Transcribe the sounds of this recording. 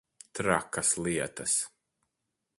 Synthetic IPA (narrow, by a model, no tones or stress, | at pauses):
t̪ɾa̰kɐslˠiɛt̪ɐs